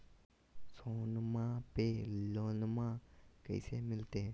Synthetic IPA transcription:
sonmãpelonmãkə̰ɪsemɪlt̪e

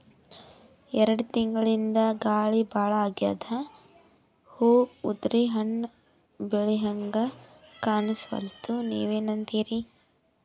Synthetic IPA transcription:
ɛɾɐɽut̪iŋɡɐɭind̪ɐɡaːɭibaːɭɐaːɡja̰ːd̪ʰɐ | huːud̪ɾiɦɐɳ | beɭiɦɐŋɡɐkaːnisʋɐ̰lt̪unḭːʋeːnɐnt̪iːɾi

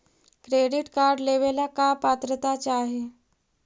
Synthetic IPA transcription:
kɾeɽiʈkaɾɖleʋelakapat̪ɾət̪at͡ɕaɦe

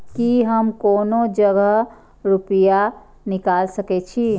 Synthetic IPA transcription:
kiɦəmkonod͡ʒəɡəɦ | ɾupija | nikalsəkɛt͡ʃʰi

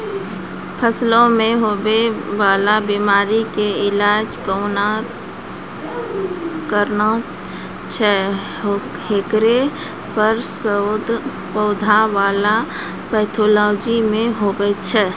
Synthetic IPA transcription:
pʰəslõmẽɦobeʋaːlabimaːɾikeɪlaːd͡ʒkəʊna | kəɾna | t͡ʃʰɛ | ɦekɾe | pəɾsəd̪ | pəʊd̪ʱaʋaːla | pɛːɪt̪ʰolɔːd͡ʒimẽɦobɛt͡ʃʰɛː

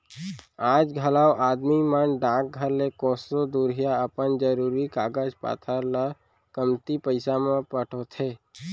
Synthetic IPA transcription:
aːd͡ʒɡʱəlaːoʔaːd̪mimənɖãːk̚ɡʱəɾlekɔːsod̪uɾɦijaəpənd͡ʒəɾuːɾikaːɡəd͡ʒpa̰ːt̪ʰəɾlə | kəmt̪ipəɪsamẽpəʈʰot̪ʰeː

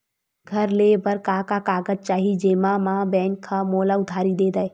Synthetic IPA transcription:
ɡʱəɾlebəɾkaːkakaːɡəd͡ʒ̚t͡ʃaːɦid͡ʒeːmãmãbɛ̃ːŋkʰːamoːlaʊd̪ʱaːɾid̪eːd̪aːe

